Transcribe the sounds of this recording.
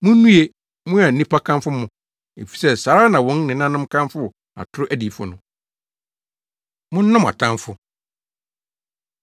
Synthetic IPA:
mʊ̃˦nũ˦e˦ | mʊ̃˦a˨n̩˨nĩ˦pʰa˦kʰã˦nfʊ˦mʊ̃˨ | ḛ˨fi̥˨sɛ˦sa˨ɾa˦nã˨wɔ̃˦n˦nɪ̃˨nã˦nʊ̃˦mkʰã˦mfʊ˦˨ | a̰˨tʰʊ˦ɾʊ˦ʔæ˦di˨fʊ̰˨nʊ̃˨ | mʊ̃˦n̩˦nã˦ma̰˨tʰã˦nfʊ˦

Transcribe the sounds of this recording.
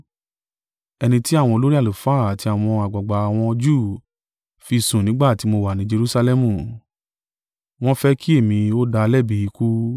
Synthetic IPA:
ɛ˧nĩ˧ti˦a˦˨w̃ɔ̃˧o˧lo˦ɾi˦a˦˨lu˨faː˦˨a˨ti˧a˨w̃ɔ̃˧a˨ɡ͡ba˨ɡ͡ba˨a˨w̃ɔ̃˧d͡ʒu˦˨ | fi˧sũ˨nĩ˨˦ɡ͡ba˦˨ti˨˦mo˧wa˨nĩ˨˦d͡ʒe˧ɾu˦sa˧lɛ˧mũ˦˨ | w̃ɔ̃˦fɛ˦kʰi˦e˦˨mĩ˧o˦da˧lɛ˦˨bi˧i˧ku˦

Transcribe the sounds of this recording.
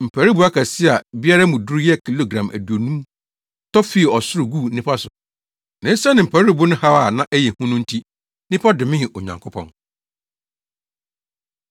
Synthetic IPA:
m̩˨pʰæ˨ɾi˦bu˨a˦kʰa˨sɪ˦a˨bi˦a˦ɾa˦mũ˨du˦ɾu˦jɛ˦˨kʰi˨lo˨ɡɾã˨mæ̰˨du˨o˨nũ˦m | tʰɔ˦fi˦˨ɔ˨sʊ˦ɾʊ˨ɡu˦˨nɪ̃˦pʰa˦sʊ˨ | nɪ̃˦sa˦nɪ̃˨m̩˨pʰæ˨ɾi˦bʊ˦nʊ̃˦ha˦a˨nã˦ʔɛ˦jɛ˨hũ˦nʊ̃˦n̩˦tʰi˦ | nɪ̃˦pʰa˦dɪ˨mɪ̃˦hɪ̃˨ʔo˨ɲã̰˨ŋkʰʊ˦pʰɔ̰̃˨n

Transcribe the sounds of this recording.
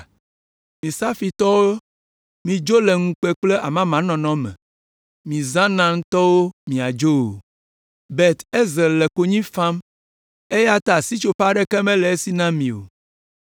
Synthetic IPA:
mĩ˨sa˦fi˨t̪ɔ˦wo˦ | mĩ˨d͡ʒo˦lɛ˨ŋũ˦k͡pɛ˦k͡ple˦ʔa˨mã˦mã˨˦nɔ̃˨nɔ̃˦mɛ̰̃˨ | mĩ˨zã˦nã˦ŋ̩˦t̪ɔ˦wo˦mĩ˨a˨d͡ʒo˦wo˨ | bɛ˦˨t̪e˦ze˨lɛ˨ko˨ɲĩ˦fã˦m | e˦ja˦t̪a˨si˦t͡ʃo˦ɸa˦ɖɛ˦kɛ˦mɛ̃˦lɛ˨e˦si˦nã˦mĩ˨o̰˨

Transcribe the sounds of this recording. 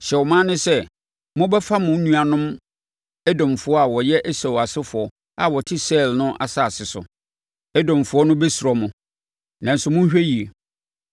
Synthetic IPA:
ɕɛ˨wɔ˨mãː˦nʊ̃˦sɛ˦ | mʊ̃˦bɛ˦fa˦mʊ̃˨˦nũ˦a˨nʊ̃˦m | ɛ˦dɔ̃˨m˨fʊ˨˦ɔ˦a˨wɔ˨jɛ˦ʔæ˦sa˨wa˨sɪ˦fʊ˨ɔ˨ | a˨wɔ˨tʰɪ˦sɛ˦˨lnʊ̃˦ʔa̰˨sa˦˨sɪ˨sʊ̰˨ | ɛ˦dɔ̃˨mfʊ˨˦ɔ˦nʊ̃˦bɛ˦sɔ˨mʊ̃˨ | nã˨n̩˨sʊ˦mʊ̃˦ɕᶣe˦ji˨e˨

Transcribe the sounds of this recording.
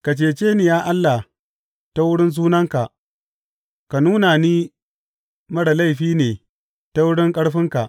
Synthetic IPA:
ka˨t͡ʃeː˨t͡ʃeː˦nɪ˨jaː˦ʔa˦lːa˨ | ta˦wʊ˦ɽɪ˦ns̬uː˦nɐ˦ŋka˨ʔ | ka˨nuː˦na˨niː˦ | mɐ˦ɽa˨la˦jɸiː˦neː˨ | ta˦wʊ˦ɽɪ˦ŋkʼɐ˦ɽɸɪ˦ŋka˨ʔ

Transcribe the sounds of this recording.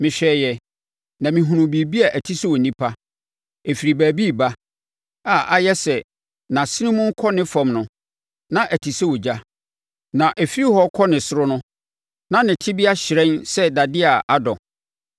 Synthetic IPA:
mɪ̃˨ɕᶣɛː˨jɛ˨ | nã˨mɪ̃˨ɦũ˨ɾũ˨bi˨bi˦a˨ʔæ˨tʰi˦sɛ˦wɔ˨nĩ˦pʰa˦ | e˨fi˨ɾi˨bæː˨bi˦˨ba˦ | aː˦˨ʔa˦jɛ˦sɛ˨ | nã˨si˦nĩ˦mʊ̃˦ŋ̩˦kʰɔ˦nɪ̃˦fã˨mnʊ̃˨ | nã˦ʔæ˨tʰi˨sɛ˦wɔ˨d͡ʑa˦ | nã˨ʔæ˨fi˦ɾi˦hɔ˦kʰɔ˦nɪ̃˨sʊ˦ɾʊ˦nʊ̃˦ | nã˦nɪ̃˨tʰɪ˦bi˦a˦ɕɪ˨ɾɛ̃˦nsɛ˦da˨dɪ˦a˨ʔa˦dɔ̃˨

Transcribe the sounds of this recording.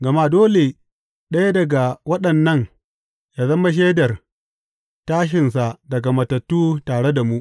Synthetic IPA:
ɡɐ˨ma˦doː˦le˨ | ɗɐ˦ja˦dɐ˨ɡa˨wɐ˦ɗɐ˨nːɐ˦ŋ | jaː˨zɐ˦ma˦ʃ̬eː˦dɐ˨r | taː˦ʃ̬ɪ˨ns̬a˨dɐ˨ɡa˨mɐ˨tɐ˨tːuː˦taː˨ɽe˦da˨mu˦ʔ

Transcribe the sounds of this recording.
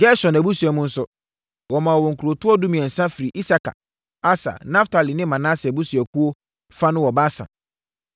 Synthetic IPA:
ɡɛ˦ɕɔ˨n˨æ˨bu˦su˨ɛ˨mʊ̃˦n̩˦sʊ˦ | wɔ˨mã˨wɔ˨wɔ̃˨ŋ̩˨kʰu˨ɾo˨tʊ˦ɔ˦dʊ˦mĩ˨ɛ̃˨n̩˨sã˦fi˨ɾi˨ʔi˦sa˨ka̰˨ | a˦sa̰˨nã˦ftʰa˨li˨nɪ̃˦mã˨nã˦sɛ˨bu˦su˨ɛ˨ku˦o˦ | fa˦nʊ̃˦wɔ˨ba˦sã̰˨

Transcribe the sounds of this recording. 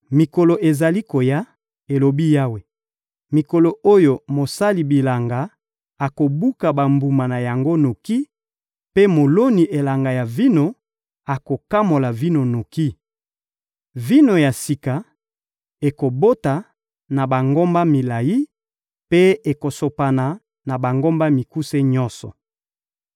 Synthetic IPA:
mi˨ko˨lo˨ʔe˨za˨li˦ko˨ja˦ | e˨lo˨bi˦ja˦we˨ | mi˨ko˨lo˨o˦jo˨mo˨sa˦li˨bi˨la˨ŋɡa˨ | a˨ko˨bu˦ka˨ba˨mbu˨ma˨na˨ja˨ŋɡo˦no˨ki˦ | pe˦mo˨lo˦ni˨ʔe˨la˨ŋɡa˨ja˨vi˦no˨ | a˨ko˨ka˦mo˨la˨vi˦no˨no˨ki˦ | vi˦no˨ja˨si˨ka˨ | e˨ko˨bo˦ta˨ | na˨ba˨ŋɡo˦mba˦mi˨la˨ji˦ | pe˦e˨ko˨so˨pa˨na˨ | na˨ba˨ŋɡo˦mba˦mi˨ku˦se˦ɲɔ˦nsɔ̰˨

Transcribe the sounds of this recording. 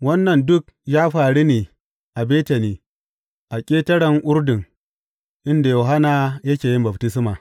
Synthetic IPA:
wɐ˦nːɐ˨ndʊ˦k̚jaː˦ɸaː˨ɽi˦niː˨ | ʔa˨beː˦tɐ˨niː˨ | ʔa˨kʲʼeː˦tɐ˦ɽɐ˨ŋʔʊ˦ɾdɪ˨ŋ | ʔɪ˦nda˨jo˨ɦa˦naː˨jɐ˦kʲeː˨jɪ˦mbɐ˨b̚tɪ˦sɪ˦maː˨

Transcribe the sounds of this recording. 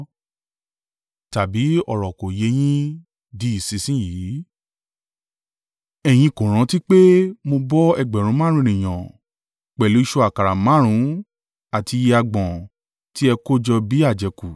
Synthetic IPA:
ta˨bi˨˦ɔ˨ɾɔ˨ko˨je˧j̃ĩ˦ | di˨˦i˦˨si˧sĩ˦jiː˨˦ | ɛ˧j̃ĩ˧kõ˨ɾ̃ã˨˧˦ti˦k͡pe˦mo˧bɔ˦ɛ˧ɡ͡bɛ˨ɾ̃ũ˨˦mãː˦ɾ̃ũ˦˨ĩ˨j̃ã˨ | k͡pɛ˨lu˨˦i˦˧ʃo˧˦a˨ka˨ɾa˨mã˨˦ɾ̃ũ˨˦ | a˨ti˧je˧a˧ɡ͡bɔ̃˨ | ti˦ɛ˧ko˦d͡ʒɔ˧bi˨˦a˦˨d͡ʒɛ˨ku˨

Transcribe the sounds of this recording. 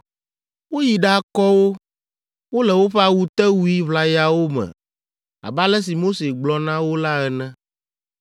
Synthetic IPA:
wo˦ji˨ɖa˦kɔ˦wo˦ | wo˦lɛ˨wo˦ɸɛ˦a˨wu˦t̪ɛ˦wu˦i˦βla˨ja˦wo˦mɛ̰̃˨ | a̰˨ba˦lɛ˦s̬i˨mo˦se˨ɡ͡blɔ˨nã˦wo˦la˦ɛ˨nɛ̃˦

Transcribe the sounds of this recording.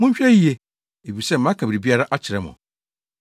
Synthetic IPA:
mʊ̃˦ɲ̩˦ɕᶣɛ˦i˦e˦ | e˨bi˨sɛ˦m̩˨ã˦kʰa˨bɾi˨bi˦a˦ɾa˦ʔa˦t͡ɕʰɪ˨ɾɛ˨˦mʊ̰̃˨

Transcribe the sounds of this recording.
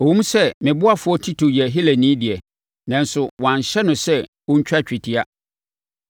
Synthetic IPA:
o˨wũ˦m˦sɛ˦mɪ̃˨bʊ˦a˦fʊ˨˦ɔ˦tʰi˦tʰo˨jɛ˨ɦi˦le˨nĩː˦dɪ˨ɛ˨ | nã˨n˦sʊ˨wã˨n˨ɕɛ˦nʊ̃˨sɛ˦ | wɔ̃˦ɲ̩˦t͡ɕᶣa˦t͡ɕᶣi˨tʰɪ˦a˦

